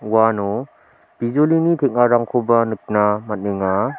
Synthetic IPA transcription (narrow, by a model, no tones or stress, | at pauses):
wano | b̥izolinitʰek̚aɾaŋkʰobanɯk̚namɐt̚neŋa